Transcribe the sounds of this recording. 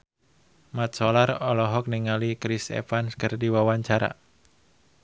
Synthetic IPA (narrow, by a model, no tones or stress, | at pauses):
mat̪̚sɔlarɔlɔɦɔk̚niŋalikɾisḛfanskərdiwawaɲt͡ʃaɾa̰